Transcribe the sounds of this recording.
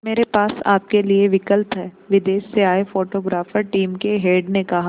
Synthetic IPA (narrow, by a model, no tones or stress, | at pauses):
meːɾepaːsa̰ːp̚kelieʋɪkəlt̪ɦɛː | ʋɪd̪eːʃseaːefoːʈoːɡɾaːfəɾʈiːmkeɦeːɖnekɐɦa